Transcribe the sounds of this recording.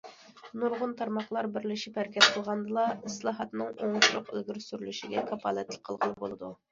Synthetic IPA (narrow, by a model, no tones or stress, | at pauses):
nuɾʁʊnt̪ʰɑɾmɑχlˠɑɾbɪɾlɪʃipæɾkʲʰɛt̪̚qʰəlˠʁɑnd̪ɨlˠɑɪslˠɑːɦɑt̪nɨŋoŋʊʃɾʊqḛlɡʲyɾsyɾlyʃiɡʲɛkʰɑpʰɑlˠɛt̪lɪ̥k̚ʲqʰəlˠʁəl̚ˠbo̰lˠɨd̪u